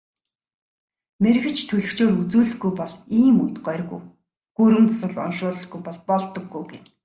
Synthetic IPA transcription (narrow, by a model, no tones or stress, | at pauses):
meɾ̆xɘ̆t͡ɕʰt̪ʰɵɮɘ̆kt͡ɕoːɾut͡suːɮɘ̆ɡujpɔɮiːmujt̪ɢœrɣṵj | ɡ̥uɾɘ̆mt͡sasə̆ɮɔ̰nʃʊːɮɞ̆ɡujpɔɮpɔɮt̪ɞ̆ɡːujɡe